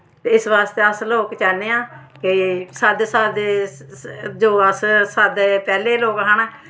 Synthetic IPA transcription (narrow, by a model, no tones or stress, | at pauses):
t̪eːɪsʋaːst̪eːəsloːkt͡ʃɛːneːãː | kɪsəd̪səd̪ | d͡ʒoːəssəd̪pɛːleːloːkɦəɳ